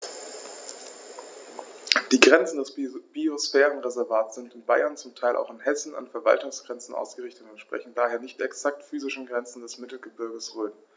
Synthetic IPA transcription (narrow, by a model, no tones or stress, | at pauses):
d̥iːɡʁɛnt͡sn̩dɛsb̥iosfɛːʁ̞ənʁezɛɐvaːtz̥ɪntɪnbaɪɐnt͡sʊmtʰaɪlʔa̰ʊxɪnhɛsn̩a̰nfɛɐva̰ltʊŋsɡ̥ʁɛnt͡sn̩ʔa̰ʊsɡ̥əʁɪçtətʊntʃpʁ̥ɛ̰çn̩d̥aːheːɐnɪçtɛksak̚tfyːzɪʃn̩ɡʁɛnt͡sn̩dɛsmɪtl̩ɡəbɪɐɡəsʁøːn